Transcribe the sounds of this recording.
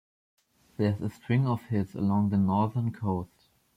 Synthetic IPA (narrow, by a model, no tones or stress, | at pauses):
ðɛ˞zəstʰɹɪ̃ŋɔfhɪzə̰lɔ̃ŋðənɔɹðə˞nkʰoʊst